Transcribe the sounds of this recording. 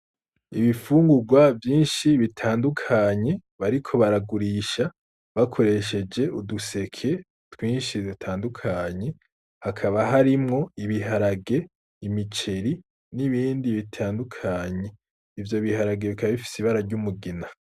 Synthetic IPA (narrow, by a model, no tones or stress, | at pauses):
iβifuːŋɡuɡwavjiːnʃiβitʰaːndukʰaɲe̞βaɾikʰo̞βaɾaɡuɾiːʃa | βakʰo̞ɾe̞ʃe̞d͡ʒe̞uduse̞kʰe̞ | twiːnʃidutʰaːndukʰaɲe̞ | hakʰaβaɦaɾimŋo̞iβiɦaɾaɡe̞ | imit͡ʃe̞ɾi | niβiːndiβitʰaːndukʰaɲe̞ | ivjo̞βihaɾaɡe̞βikʰaβaβifi̥siβaɾaɾɟumuɡina